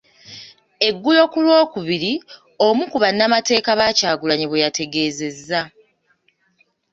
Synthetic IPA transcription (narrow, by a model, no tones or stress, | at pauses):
e̞ɡːulo̞kulwo̞ːkuβiɾi | o̞mukuβanːamate̞ːkaβacaːɡulaɲiβwejatʰe̞ɡe̞ːze̞zːa